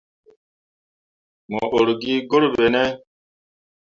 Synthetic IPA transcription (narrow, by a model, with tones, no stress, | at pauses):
mɔ˨ʔo˨ɾɡi˦ɡo˦ɾbe˨nɛ˦